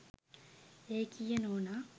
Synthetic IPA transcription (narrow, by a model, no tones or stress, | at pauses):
ekʰijənoːna